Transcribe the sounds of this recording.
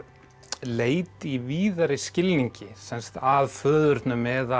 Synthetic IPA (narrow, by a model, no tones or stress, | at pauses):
leːjt̪iviːðaɾɪscɪlniɲcɪsɛnst̪aðfœːðʏɾt̪nʏmɛːða